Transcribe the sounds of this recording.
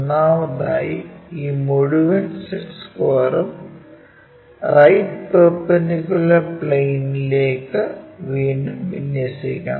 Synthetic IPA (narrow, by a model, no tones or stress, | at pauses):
nːaːʋɐnaːjiiːmoɻuʋɐnseʈskoːrɐm | rɐjʈpepːɐnikulɐpɭejnileːkːɨʋiːɳɖuʋinjɐsikʲːa̰ː